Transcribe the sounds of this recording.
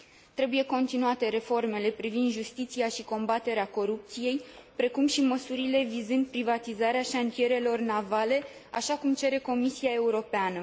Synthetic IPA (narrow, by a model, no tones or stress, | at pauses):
t̪ɾe̞buje̞ko̞nt̪inuat̪e̞ɾe̞fo̞rme̞le̞pɾivind̪ʒust̪it̪siaʃiko̞mbat̪e̞ɾeako̞ɾup̚t̪sije̞jpɾe̞kumʃiməsuɾile̞vizɨnd̪̚pɾivat̪izaɾeaʃant̪ije̞ɾe̞lo̞rnavale̞ | a̰ʃakumt͡ʃe̞ɾe̞ko̞misiae̞uɾo̞peanə